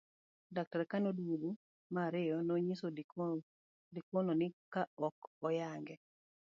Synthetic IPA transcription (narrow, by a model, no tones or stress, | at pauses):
dak̚taɾkanodwudo | maɾɪjɔnoɲiso | dikwononɪkaɔkɔjaŋɡɛ